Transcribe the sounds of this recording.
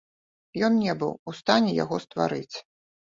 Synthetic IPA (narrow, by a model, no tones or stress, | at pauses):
jɔnnʲɛbɨ̰wust̪anʲɛja̰ɣɔst̪va̰ɾɨt͡sʲ